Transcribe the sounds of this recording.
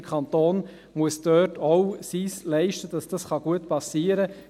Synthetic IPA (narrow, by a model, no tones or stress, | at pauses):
kʰχɑnt̪oːn | muəsdøːtʰoʊwsiːslɛɪʃtəd̥ɑsd̥ɑsχɑɡ̥uətpɑsiːəɾə